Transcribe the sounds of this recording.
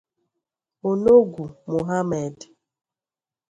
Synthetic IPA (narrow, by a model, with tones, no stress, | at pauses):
o˨no˦ɡʷu˨mo˨ɦa˦me˨d